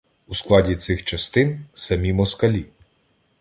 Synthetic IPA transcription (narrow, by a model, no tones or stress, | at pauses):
usklˠɑdʲit̪sɪxt͡ʃɐst̪ɪnsɐmʲimɔskɐlʲi